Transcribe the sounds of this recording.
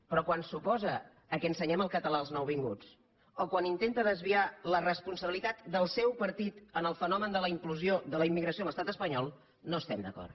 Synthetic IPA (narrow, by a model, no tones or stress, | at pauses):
pɾɔkwansupɔzəː | kɛənsəɲɛməlˠkət̪əlaəlˠznɔwβiŋɡṵt͡s | okwanint̪ent̪əðəzβialərəspunsəβilit̪at̪d̪əlˠsɛwpəɾt̪it̪ənəlˠfənɔmənd̪ələimkluzioðələimːiɣɾəsiomləst̪at̪əspəɲɔlˠ | noəst̪ɛmd̪əkɔ̰r